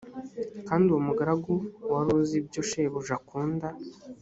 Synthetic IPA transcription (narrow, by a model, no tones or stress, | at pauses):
kaːndiwomuɡaɾaɡuwaɾoːzibɟoʃeβuʒakuːnda